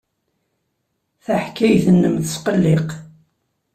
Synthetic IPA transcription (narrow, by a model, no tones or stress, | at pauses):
θaħkːæjθənːəmθəsqəlːɪq